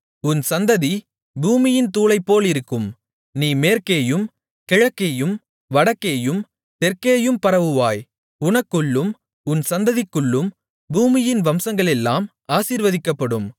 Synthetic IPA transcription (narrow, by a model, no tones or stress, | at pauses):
ʊnsɐnd̪ɐði | buːmɪjɪnt̪uːlɐɪpːoːlɪɾɯkːɯm | niːmeːɾkeːjɯm | kɛɻɐkːeːjɯm | ʋɐɽɐkːeːjɯm | t̪ɛɾkeːjɯmpɐɾɐʋɯʋaːj | ʊnɐkːɯɭːɯm | ʊnsɐnd̪ɐðɪkːɯɭːɯm | buːmɪjɪnʋɐmsɐŋɡɐɭɛlːaːm | aːsiːɾʋɐðɪkːɐpːɐɽɯm